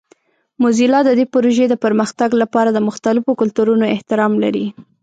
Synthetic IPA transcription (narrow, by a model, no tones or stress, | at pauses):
mʊzilɑd̪əd̪epʊɾoʒed̪əpəɾməxt̪aɡlapɑɾad̪əmʊxt̪alɪfokʊlt̪uɾunoɪht̪ɪɾɑmlaɾi